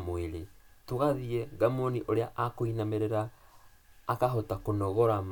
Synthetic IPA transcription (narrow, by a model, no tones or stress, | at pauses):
moeɾetoɣaðiɛɡamoniʔoɾeaʔakoinameɾeɾaː | kaɦotakonɔɣɔɾam